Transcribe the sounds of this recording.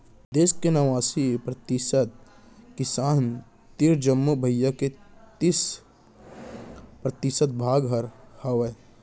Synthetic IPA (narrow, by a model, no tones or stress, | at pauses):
d̪eːskenɐʋaːsipɾɐt̪ɪsət̪̚ | kɪsaːn | t̪iɾd͡ʒəmːobʱəjːaket̪is | pɾɐt̪ɪsət̪̚bʱaːɡɦɐɾhɐwe